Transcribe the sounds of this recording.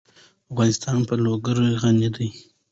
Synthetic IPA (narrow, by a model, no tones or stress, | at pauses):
afɣɑnɪst̪ɑnpəloɡaɾoɣanid̪əj